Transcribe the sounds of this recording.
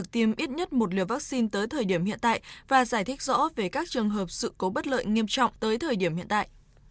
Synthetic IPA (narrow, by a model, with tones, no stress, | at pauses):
k̚t̪i˨˧˩mʔi˦˥t̚ɲə˦˥t̚mo˨˩t̚lḭ˧˨əvaː˦˥k̚si˧nt̪əː˨˦jt̪ʰəː˨˩jɗi˧˩əmhḭ˧˨ənt̪a̰ː˧˨jvaː˨˩zaː˧˩jt̪ʰï˦˥k̚zɔ̰˧˥ve˨˩kaː˦˥k̚t͡ɕɨ˨˩əŋɦəː˨˩p̚sɨ̰˧˨ko˨˦ɓə˦˥t̚lə̰ː˧˨jŋi˧əmt͡ɕɔ̰˧˨wŋ͡mt̪əː˨˦jt̪ʰəː˨˩jɗi˧˩əmhḭ˧˨ənt̪a̰ː˧˨j